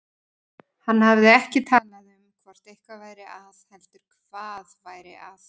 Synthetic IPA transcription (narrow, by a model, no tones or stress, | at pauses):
hanːhavðɪɛhcɪt̪ʰaːlaðʏmkʰvɔr̥t̪ejhkavaːjɾɪʔaðhɛlt̪ʏɾ̥kʰv̥aːðvaːjɾɪ̰ʔaθ